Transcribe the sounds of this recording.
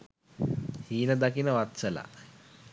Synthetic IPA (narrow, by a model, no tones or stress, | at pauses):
hiːnəd̪akinəʋat̪səla̰